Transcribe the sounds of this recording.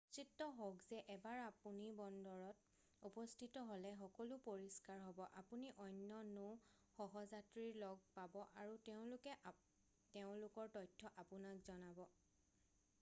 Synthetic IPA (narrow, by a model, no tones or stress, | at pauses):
t͡ʃitːɔɦoɡzɛʔɛbaɹapunibɔndɔɹɔt̚ | upɔstʰitɔɦolɛxɔkɔlʊpoɹiskaɹɦɔbɔʔapuniʔɔnːɔno | xɔɦɔzatɹiɹlɔɡ̚pabɔʔaɹuteʊ̃lʊkɛ | teʊ̃lʊkɔɹtɔjtʰːɔʔapunakzɔnabɔ